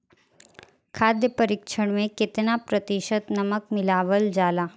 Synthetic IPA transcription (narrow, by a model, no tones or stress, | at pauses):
kʰaːd̪jəpəɾɪkʃʰəɽ̃mẽkɪt̪napɾət̪ɪʃət̪nɐməkmɪlaːʋəld͡ʒaːlaː